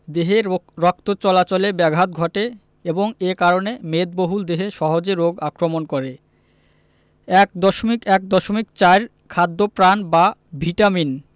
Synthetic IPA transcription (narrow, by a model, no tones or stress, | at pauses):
d̪eɦeɾɔk̚t̪ot͡ɕɔlat͡ɕolebɛɡʱɦat̪̚ɡʱɔʈe | eboŋekaɾonemed̪̚boɦuld̪eɦeʃɔɦod͡ʑeɾoɡakɾomonkoɾe | ɛk̚d̪ɔʃomikɛk̚d̪ɔʃomikt͡ɕaeɾ | kʰad̪ːopɾanbabʱiʈamin